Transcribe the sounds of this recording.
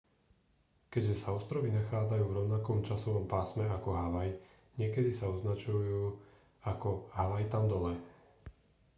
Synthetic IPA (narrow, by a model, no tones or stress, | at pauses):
kɛɟʒɛsaɔst̪ɾɔʋinaxaːd͡zajuːvɾɔʊnakɔmt͡ʃasɔʋɔmpaːsmɛakɔɦaʋaj | ɲɪɛkɛd̪isaɔznat͡ʃujuː | akɔɦaʋajt̪amd̪ɔlɛ